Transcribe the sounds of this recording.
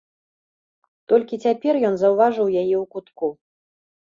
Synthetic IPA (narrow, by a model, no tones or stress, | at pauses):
t̪ɔlʲkʲit͡sʲapʲɛrjɔnzɐwvaʐɨwjajɛwkut̪ku